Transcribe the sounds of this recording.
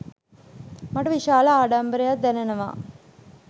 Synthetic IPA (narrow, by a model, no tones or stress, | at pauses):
maʈɐʋiʃaːləaːɖambəɾejad̪ænenəʋa̰ː